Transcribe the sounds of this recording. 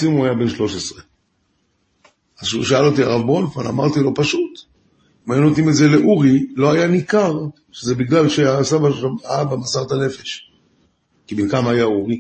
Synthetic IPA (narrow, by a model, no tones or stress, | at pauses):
simuajabe̞nʃlo̞ʃesʁe | azʃuʃaalot̪̬iaʁavbo̞nfana̰maʁt̪ilo̞paʃut̪ | majunot̪imetze̞le̞ʔuʁilo̞ajanikaʁ | ʃeze̞biɡlalʃeasabaaabamasaʁt̪ane̞fe̞ʃ | kibilkamaːjauʁi